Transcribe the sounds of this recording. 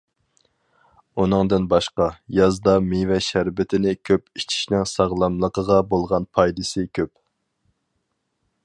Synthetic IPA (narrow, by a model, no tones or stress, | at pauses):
unɨŋd̪ɨnbɑʃqɑjɑzd̪ɑmevɛʃæɾbɪt̪ʰɪnɪkʲʰøpit͡ʃʰi̥ʃnɪŋsɑʁlˠɑmlˠəqəʁɑbolˠʁɑnpʰɑjd̪ɨsɨkʲʰøp̚